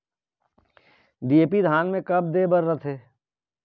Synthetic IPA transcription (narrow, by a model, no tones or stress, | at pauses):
ɖieːpid̪ʱaːnmẽkɐb̚d̪eːbəɾːət̪ʰeː